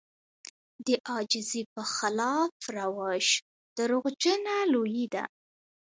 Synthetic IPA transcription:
d̪əʔɑd͡ʒɪzipəxalɑfɾawɑʃ | d̪̥əɾoɣd͡ʒənalojid̪a̰

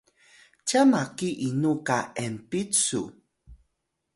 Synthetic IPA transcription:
camakiʔinukaɛmpit͡sṵ

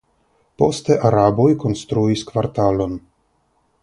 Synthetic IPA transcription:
po̞st̪eʔaɾabojko̞nst̪ɾuiskvaɾt̪alo̞n

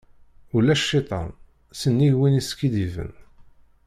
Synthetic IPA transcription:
ulæʃʃːɪt̪ˤɑ̰ | sənːiʝwiniskːid̪ivə̰n

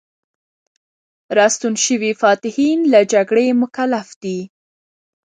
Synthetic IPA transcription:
ɾɑst̪unʃəwifɑt̪ɪhinlad͡ʒaɡɽemʊkalafd̪̥i

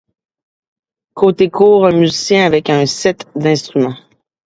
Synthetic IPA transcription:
kʰot̪ekʰuːʁə̃myzisjɛ̃avɛkə̃sɛt̪d̪ɛ̃st̪ʁymɑ̃

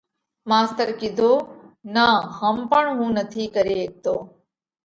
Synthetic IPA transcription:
maːst̪əɾkɪd̪ʱoːnaɦəmpəɳɦũːnət̪ʰiːkəɾeːeːk̚t̪oː

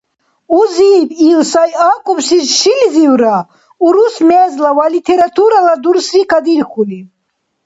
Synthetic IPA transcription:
uzibilsajakʼɔpʃisʃilizivɾa | uɾusmɛzlavalit̪ʰɛɾat̪ʰuɾalad̪uɾsɾikʰad̪iɾxuli

